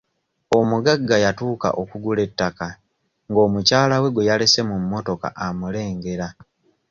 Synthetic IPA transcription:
o̞muɡaɡːajatuːka̰ʔo̞kuɡule̞tːaka | ŋɡo̞ːmucaːlawe̞ɡwejalese̞mumːo̞to̞ka̰ʔamule̞ːŋɡe̞ɾa

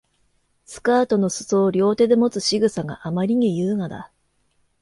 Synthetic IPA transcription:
sɨ̥kaːt̪o̞no̞sɨ̥so̞ːɾʲo̞ːt̪e̞d̪e̞mo̞t͡sɨɕiɡɯ̟saɡa̰ʔamaɾʲiɲ̟ijɯːŋad̪a̰

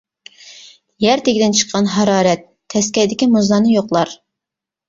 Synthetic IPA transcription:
jæɾt̪ʰeɡʲd̪ɪnt͡ʃʰə̥qʰːɑnɦɑɾɑːɾɛt̪ʰːɛskʲɛjd̪ɪkʲimuzlɑnɨjoqlˠɑɾ

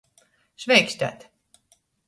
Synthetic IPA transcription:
ʃvʲɛjkʃʲt̪ʲa̰t̪

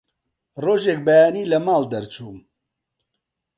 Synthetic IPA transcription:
roːʒeːk̚bɛjaːniːlɐmaːld̪ɛɾt͡ʃʰuːm

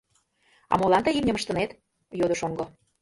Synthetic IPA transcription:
ɑ̰molɑnt̪əjimnʲəməʃt̪ə̆net̪ | jod̪əʃoŋɡo

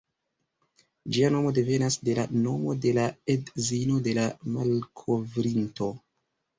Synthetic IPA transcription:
d͡ʒiano̞mo̞de̞ve̞nasde̞lano̞mo̞de̞laedzino̞de̞lamalkʰo̞vɾinto̞

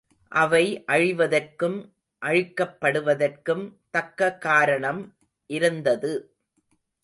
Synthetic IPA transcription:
ʔɐʋɐɪʔɐɻɪʋɐðɐrkɯm | ʔɐɻɪkːɐpːɐɽɯʋɐðɐrkɯmt̪ɐkːɐkːaːɾɐɳɐm | ʔɪɾɯnd̪ɐðɯ

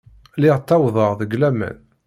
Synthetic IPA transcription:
lɪʁt̪ːɑwðˤəʁðəɡlæmæ̰n

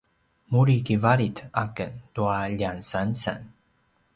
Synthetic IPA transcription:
muɾikivaɾitakəntuaʎansansa̰n

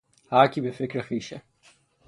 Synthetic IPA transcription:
haːkʲibefɪkɾexiːʃe

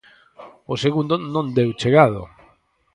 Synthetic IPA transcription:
oseɣund̪ʊnõnd̪ewt͡ʃeɣað̞o̰

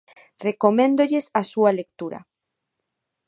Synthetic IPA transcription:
rekomẽnd̪oʎesasualekt̪uɾɐ̰

